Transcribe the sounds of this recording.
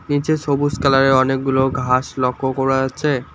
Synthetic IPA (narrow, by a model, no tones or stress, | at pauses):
nit͡ɕeʃobuskalaɾeɔnek̚ɡuloɡʱaʃlɔkʰːokɔɾaat͡ɕʰe